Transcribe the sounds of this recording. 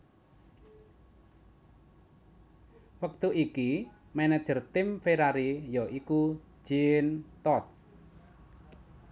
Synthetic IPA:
wək̚t̪uʔiki | mɛnad̥ʒ̥ə̤rt̪ɪmfeɾaɾijɔʔiku̥ | d͡ʒ̥int̪ɔt

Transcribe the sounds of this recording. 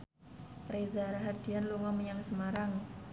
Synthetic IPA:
rezaɾaɦad̪̥ianluŋɔmjaŋsəmaɾaŋ

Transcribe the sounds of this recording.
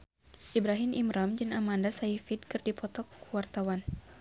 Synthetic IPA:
ʔibɾaɦimimɾamd͡ʒɨŋamandasaifid̚kɨrdipɔt̪ɔkːuwart̪awan

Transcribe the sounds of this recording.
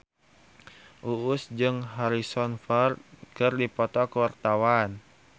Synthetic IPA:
ʔuʔʊsd͡ʒɨŋɦaɾisɔnfart̪̚kɨrdipɔt̪ɔkəwart̪awan

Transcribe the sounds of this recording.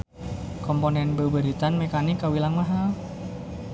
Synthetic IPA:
kɔmponɛnbəbəɾit̪anmekanikːawilaŋmaɦal

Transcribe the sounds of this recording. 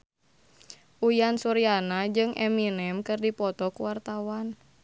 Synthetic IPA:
ʔujansuɾianad͡ʒɨŋʔɛ̰minɛmkɨrdipɔt̪ɔkuwart̪awan

